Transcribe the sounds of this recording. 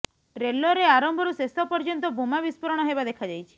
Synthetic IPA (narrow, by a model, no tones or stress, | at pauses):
ɾelːɔɾeaɾɔmbʱɔɾusest̪ɔpɔɾd͡ʒɔnt̪ɔbʱumabispɔɾɔɽ̃ɔɦebad̪ekʰad͡ʒajt͡ʃʰi̥